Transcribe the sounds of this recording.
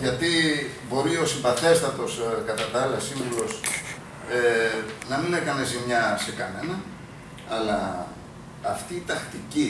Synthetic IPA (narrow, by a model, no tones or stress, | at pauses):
ʝɐt̪ibo̞ɾio̞simbɐθe̞st̪ɐt̪o̞skɐt̪ɐt̪ɐɐlɐsiɱvulo̞s | enɐmine̞kɐne̞zimɲɐse̞kɐne̞nɐː | lɐː | ft̪iːt̪ɐxt̪ici